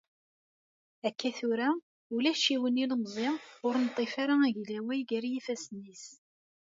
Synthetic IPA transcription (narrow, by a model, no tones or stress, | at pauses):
ækːæθʊɾa | ulæʃiwəniləmzˤɪʊɾnt̪ˤːefaɾaæʝlæwæjɡæɾjifæsnis